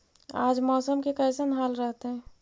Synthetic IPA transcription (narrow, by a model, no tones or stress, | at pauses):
a̰ːd͡ʒmɔːsəmkekəːsənɦaːlɾəɦt̪eɦɛ̃ː